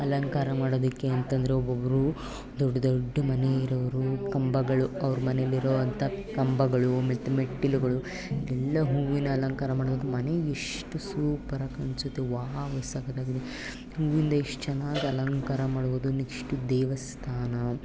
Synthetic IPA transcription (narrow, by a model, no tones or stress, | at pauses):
ɐlɐŋkaːɾɐmaːɽoːd̪ɐkːeɐnt̪ɐnd̪ɐɾeobɐʋɐɾu | d̪ɔɖːɐd̪oɖːɐmɐneiɾɐʋɐɾukɐmbɐɡɐɭuɐʋɐɾumɐnejɐlːiɾoːʋɐnt̪ʰɐkɐmbɐɡɐɭumet̪ɐmeʈːilɡɐɭu | id̪ɛlːɐɦuːʋinːɐːlɐŋkaːɾɐmaːɽd̪ɐk̪ːemɐneeʂʈusuːpɐɾɐkɐnsut̪ːeʋaːɦɐʋɐsaːɡɐt̪aːɡid̪e | ɦuːʋind̪ɐiʂʈɐt͡ʃɛnaːɡiɐlɐŋkaɾɐmaːɽuʋoːd̪unikʂʈud̪ɛːʋɐst̪ʰaːnɐ